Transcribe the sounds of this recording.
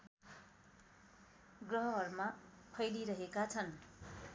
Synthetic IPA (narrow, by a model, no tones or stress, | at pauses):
ɡrʌɦʌɦʌɾma | pʰʌjliɾʌɦekat͡sʰʌn